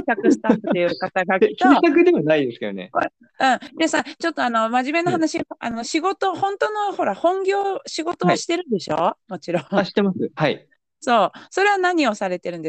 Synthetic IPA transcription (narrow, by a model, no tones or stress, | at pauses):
sakɯ̟si̥t̪at̪ɯt̪ːeɯkat̪aɡakk̪eõsakɯ̟d̪e̞βanaid̪e̞sɨ̥ked̪o̰nḛo | ɯ̟̃ɴd̪esat͡ɕo̞t̪ːo̞ano̞maʑime̞nohanaɕiaʔa̰no̞ɕiɡo̞t̪o̞hõ̞nt̪ono̞ho̞ɾahõ̞ŋɡʲo̞ːɕiɡo̞t̪o̞βaɕi̥t̪e̞ɾɯ̟nd̪e̞ɕo̞̰ːmo̞t͡ɕiɾõŋɕi̥t̪ːemasɨhai | so̞ːso̞ɾe̞βanaɲ̟io̞saɾe̞t̪e̞ɾɯ̟̃nd̪e̥